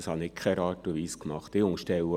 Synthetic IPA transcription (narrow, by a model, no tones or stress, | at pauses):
shɑnɪkʰɛɾɑːtuʋiːskmɑχtɪʊŋəʃtɛwə